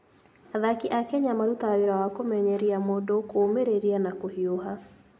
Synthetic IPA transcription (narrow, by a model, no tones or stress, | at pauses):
aðakiʔakɛɲamaɾutaweɾawakomɛɲɛɾiamoːdokomeɾeɾianakohioɦa